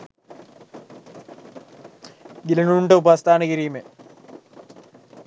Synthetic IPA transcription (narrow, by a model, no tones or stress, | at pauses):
ɡilɐnuɳɖəubast̪aːnəkiɾiːme